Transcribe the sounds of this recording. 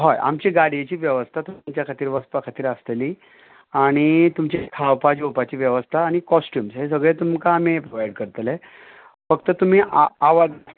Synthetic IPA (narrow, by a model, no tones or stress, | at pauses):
ɦɔjʔa̰mt͡ɕiɡaɽ̤ijet͡ɕiːʋjəʋəst̪ʰat̪ut͡ɕjakʰat̪iːɾʋəspakʰat̪iːɾasleliː | aɽ̃it̪umt͡ɕekʰawpad͡ʑopat͡ɕiːʋjeʋəst̪ʰaːɽ̃ikɔsʈjuːmsɦes̬əɡɭet̪umkaːm̤epɾoʋajɽkəɾt̪əle | fəkt̪ət̪um̤iːʔaaʋad̪